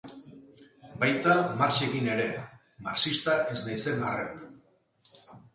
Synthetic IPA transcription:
bajt̪amaɾt͡ʃekine̞ɾe̞ | ma̰ɾt͡ʃist̪aʔe̞znajse̞naren

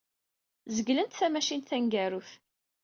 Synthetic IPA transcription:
zəɡlənt̪θæmæʃinθæŋɡæɾʊθ

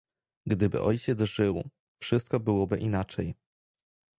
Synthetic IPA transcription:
ɡd̪ɘbɘ̰ʔɔjt͡ɕɛzʐɘw | fʂɘst̪kɔbɘwɔbɘʔinat͡ʂɛj

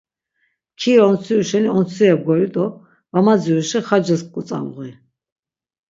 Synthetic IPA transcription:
kʰiɾɔɔnt͡sʰiuʃɛniɔnt͡sʰiɛb̚ɡɔjud̪ʼɔ | vamad͡ziuʃɛχad͡ʒɛskʼut͡s̪ʼa̰mʁi

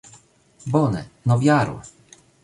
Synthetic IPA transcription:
bɔnɛ̰nɔvjaɾw

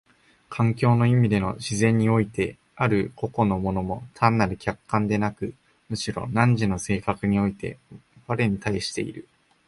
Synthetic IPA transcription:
kʰãŋkʲo̞ːno̞imʲid̪e̞no̞ɕizẽ̞ɲ̟ːio̞it̪e̞ | aɾɯ̟ko̞ko̞no̞mo̞no̞mo̞t̪ʰãnːaɾɯ̟kʲakːãnd̪e̞nakɯ̟ | mɯ̟ɕiɾo̞̰nãɲd͡ʑino̞se̞ːkakɯ̟ɲ̟io̞it̪e̞̰baɾe̞ɲ̟it̪aiɕi̥t̪e̞ḭɾɯ̟

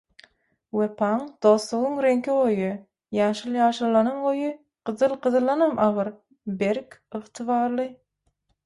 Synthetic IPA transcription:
wepʰɑŋd̪̥oːslˠuʁuŋɾeŋkiʁojɯ | jɑːʃɯlˠjɑːʃɯlˠːɑnɯmʁojɯ | ɢ̥ɯðɯlˠqɯðɯlˠɑnɑmʔɑʁɯɾ | beɾkɯʁt̪ʰɨβɑːɾlˠɯ

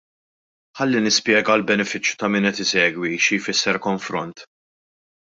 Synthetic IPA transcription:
ħɐlːinɪspjɛːɡɐlbɛnɛfɪt͡ʃːjut̪ɐmɪːnɛt̪ɪsɛːɡwiʃijfɪsːɛɾkɔɱfɾɔnt̪

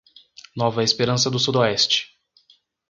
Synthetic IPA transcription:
nɔvɐespeɾɐ̃sɐd̪ʊsud̪oɛst͡ʃɪ̥

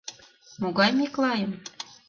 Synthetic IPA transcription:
moɣɑjmeklɑjən

